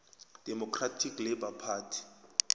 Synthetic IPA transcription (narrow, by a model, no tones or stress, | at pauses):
d̥ɛmɔkʰratʰiklɛbapʰaːtʰi̥